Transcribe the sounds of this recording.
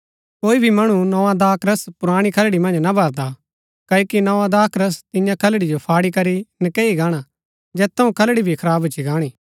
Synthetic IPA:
koːibʱimɐɽ̃unɔãd̪aːkɾəspʊɾaːɽ̃ikʰɐlɽimɐ̃nd͡ʒnɐbʱɐɾd̪a | kɐoːkinɐʋãd̪aːkɾəst̪ɪjãkʰɐlɽid͡ʒopʰaːɽikɐɾinɐkeːiɡaːɽ̃a | d͡ʒɛːt̪ːɐũkʰɐlɽibʱikʰɐɾaːbit͡ʃʰiɡaːɽ̃iː

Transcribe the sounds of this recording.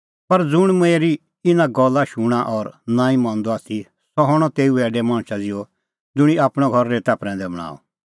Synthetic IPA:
pɐɾd͡zʊɽ̃meɛɾi | ɪnãɡɔlːaʃuɽ̃aʔɔɾnãːĩmãːnd̪ɔaːt̪ʰi | sɔɦɔɽ̃ɔt̪eːuɛːɖɛmãːɽ̃t͡ʃad͡zɪjɔ | d͡zʊɽ̃iaːpɽ̃ɔɡʱɔɾːet̪aːpɾɛ̃ːnd̪ɛbɐɽ̃a̰ːɔ̰

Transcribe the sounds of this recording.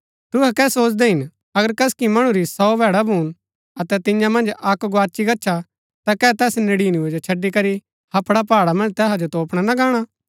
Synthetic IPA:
t̪ʊɦɛkɛːsoːt͡ʃd̪ɛɦɪn | ɐɡəɾkɐskimɐɽ̃ũɾisɔːbʱɛːɽabʱuːn | ɐt̪ɛt̪ɪ̃jãmɐ̃nd͡ʒɐkɡoaːt͡ʃiɡɐːʃʰa | t̪akɛːt̪ɛːsnɪɽiːnied͡ʒot͡ʃʰɐɖːikɐɾi | hɐpʰɽapaːɽamɐ̃nd͡ʒt̪ɛːɦad͡ʒot̪oːpɽ̃anaɡãːɽ̃a

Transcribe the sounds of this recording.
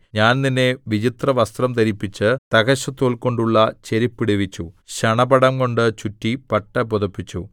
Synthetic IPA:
ɲaːnninːeʋid͡ʑit̪rɐʋɐst̪rɐmt̪ɐɾipːit͡ɕːɨt̪ɐɡɐɕɐt̪ːoːɭko̞ɳɖuɭːɐt͡ɕeɾipːiɽiʋit͡ɕːuɕɐɳɐbɐɽɐmko̞ɳɖɨt͡ɕutːipɐʈːɐpuðɐpːit͡ɕːu

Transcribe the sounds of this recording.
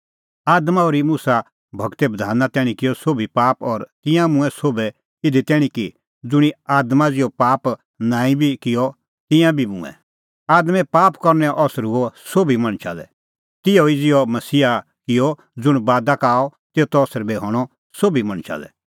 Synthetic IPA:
aːd̪maɔːɾimuːsa | bʱɐɡt̪ɛbɐd̪ʱaːnat̪ɛːɽ̃ĩkɪjɔsoːbipaːpɔɾt̪ɪ̃jãmʊ̃ɛ̃soːbɛ | ɪd̪ʱit̪ɛːɽ̃ĩki | d͡zʊɽ̃iaːd̪mad͡zɪjɔpaːp | nãːĩbʱikɪjɔ | t̪ɪ̃jãbʱimʊ̰̃ɛ̰̃ | aːd̪mɛ̃paːpkɔɾnɛʔɔsɾuɔsoːbimɐ̃ɽ̃t͡ʃʰa̰lɛ̰ | t̪ɪjɔid͡zɪjɔmɐsiːa | kɪjɔ | d͡zʊɽ̃baːd̪akaːɔt̪eːt̪ɔːsɾbɛɦɔːɽ̃ɔ | soːbimɐ̃ɽ̃t͡ʃʰa̰ːlɛ̰

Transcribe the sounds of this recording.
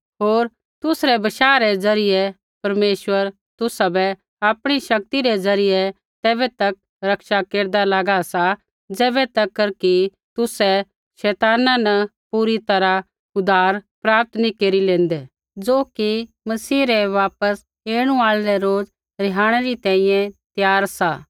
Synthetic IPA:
ɦoːɾ | t̪ʊsɾɛbɐʃaːɾɛd͡zɐɾɪjɛ | pɐɾmeːʃʋəɾ | t̪ʊsabɛ | aːpɽ̃iʃɐk̚t̪iɾɛzɐɾɪjɛ | t̪ɛːbɛt̪ɐk̚ | ɾɐkʃakeːɾd̪alaɡasa | d͡zɛːβɛt̪ɐkːəɾki | t̪ʊsɛ | ʃɛːt̪aːnãnɐpuːɾit̪ɐɾa | ʊd̪aːɾpɾaːp̚t̪nikeːɾilẽːnd̪ɛː | d͡zoːki | mɐsiːɾɛʋaːpəs | eːɽ̃ũaːlɾɛɾoːd͡z | ɾɪɦaːɽ̃ɛɾit̪ɛ̃ːĩjɛ̃t̪jaːɾsaː

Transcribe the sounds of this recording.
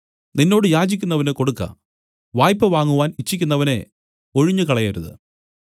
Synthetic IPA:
ninːo̞ːɽɨjaːd͡ʑikʲːunːɐʋɐneko̞ɽukːɐ̰ | ʋaːjpːɐʋaːŋːuʋaːnit͡ɕːikʲːunːɐʋɐne̞ | o̞ɻiɲːɨkɐɭɐjɐɾuðɨ̰

